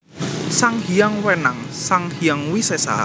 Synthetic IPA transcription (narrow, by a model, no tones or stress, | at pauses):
saŋhiaŋwɛnaŋsaŋhijaŋwisɛsa̰